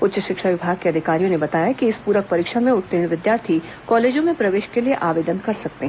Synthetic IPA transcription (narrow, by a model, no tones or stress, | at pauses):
ʊtːʃəʃɪkʃaʋɪbʱaːɡ̚keɐd̪ʱɪkaːɾijõnebɐt̪aːjakiɪspuːɾək̚pɐɾiːkʃamẽʊʈt̪ːɪɽ̃ʋɪd̪jaːɾt̪ʰi | kɔːleːd͡ʒõmẽpɾɐʋeːʃkelieʔaːʋeːd̪ənkɐɾsɐk̚t̪eɦ